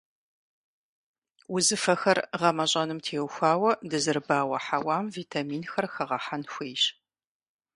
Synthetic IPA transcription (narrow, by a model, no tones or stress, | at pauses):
ʊzɨfɐxɐrʁɐmɐɕʼɐnɨmtʰeːwxʷaːwɐdɨzɨrbaːwɐħawaːmviːtʰamiːnxɐrxɐʁɐħanxʷeːʃ